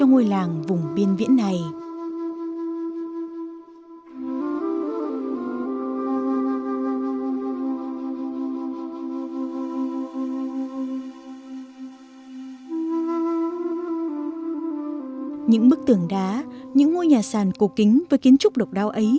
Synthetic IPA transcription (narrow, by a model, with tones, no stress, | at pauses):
t͡ɕɔ˧ŋo˧jlaː˨˩ŋvʊ˨˩ŋ͡mɓi˧ənvḭ˧˥ənːa˨˩j | ɲɨ̰˧˥ŋɓɨ˦˥k̚t̪ɨ˨˩əŋɗaː˨˦ɲɨ̰˧˥ŋːo˧jɲaː˨˩saː˨˩nko˨˩kï˨˦ŋ̟vəː˨˦jki˨˦ənt͡ɕʊ˦˥k͡p̚ɗə˨˩wk͡p̚ɗaː˨˦wʔə˨˦j